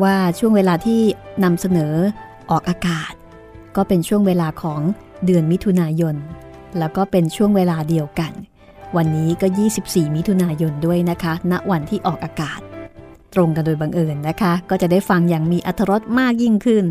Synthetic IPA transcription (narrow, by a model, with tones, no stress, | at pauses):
waː˥˩t͡ɕʰu˥˩əŋweː˧laː˧t̪ʰiː˥˩na˧msa˧nɤː˩˦ | ʔɔː˨˩k̚ʔaː˧kaː˨˩t̪̚ | kɔː˥˩pe˧nt͡ɕʰu˥˩əŋweː˧laː˧kʰɔː˩˦ŋ | dɯ˧ənmi˦˥t̪ʰːu˧naː˧jo˧n | lɛː˦˥wkɔː˥˩pe˧nt͡ɕʰu˥˩əŋweː˧laː˧di˧əwka˧n | wa˧nːiː˦˥kɔː˥˩jiː˥˩si˨˩p̚siː˨˩mi˦˥t̪ʰu˧naː˧jo˧ndu˥˩əjna˦˥kʰa˦˥na˦˥ʔwa˧nt̪ʰiː˥˩ʔɔː˨˩k̚ʔaː˧kaː˨˩t̪̚ː | ɾo˧ŋka˧ndoː˧jba˧ŋʔɤː˧nːa˦˥kʰa˦˥kɔː˥˩t͡ɕa˨˩daː˥˩jfa˧ŋjaː˨˩ŋmiː˧ʔa˨˧t̪ʰːa˧ɾo˦˥t̪̚maː˥˩k̚ji˥˩ŋkʰɯ˥˩n